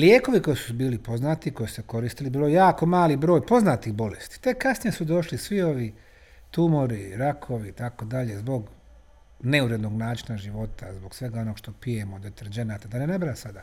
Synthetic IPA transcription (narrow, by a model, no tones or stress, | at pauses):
ljeːko̞ʋiko̞jisu̥biːlipo̞znaːt̪iko̞jisu̥seko̞ɾiːst̪ilibiːlojejaːko̞maːlibɾoːjpo̞znaːt̪iɣbo̞lest̪i̥t̪e̞kːasnijesud̪o̞ʃlisʋio̞ʋi | t̪umo̞ɾiɾakʰo̞ʋit̪ako̞d̪aʎe̞zbo̞ɡ | ne̞uɾe̞d̪no̞ɡnaːt͡ʃinaʒiʋo̞t̪azbo̞ɡsʋe̞ɡao̞noɡʃt̪o̞pije̞mod̪et̪eɾd͡ʒe̞naːt̪ad̪anenebɾaesad̪a